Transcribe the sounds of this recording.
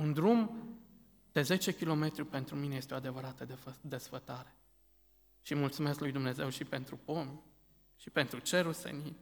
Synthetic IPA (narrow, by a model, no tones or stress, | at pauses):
und̪ɾum | d̪̥e̞ze̞t͡ʃe̞kʲilo̞me̞t̪ɾʲupe̞nt̪ɾumine̞jest̪eo̞ad̪e̞vəɾat̪əd̪d̪e̞sfət̪aɾe̞̥ | ʃimult̪sumesklujd̪umne̞ze̞wʃipe̞nt̪ɾupon | ʃipe̞nt̪ɾut͡ʃe̞ɾulsḛni